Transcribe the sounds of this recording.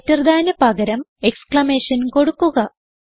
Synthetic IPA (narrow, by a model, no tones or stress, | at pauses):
tːɐrɐd̪ʱaːnɐpɐɣɐɾɐmekskɭɐme̞ːʂɐnko̞ɽukːuɣɐ